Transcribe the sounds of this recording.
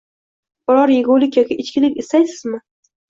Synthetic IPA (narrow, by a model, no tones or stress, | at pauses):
b̥ʊɾɒɾjeɡolɪkʲjɒkʲʰɪʔɪt͡ʃkʲɪlɪkʲest̪ajsɪzmɪ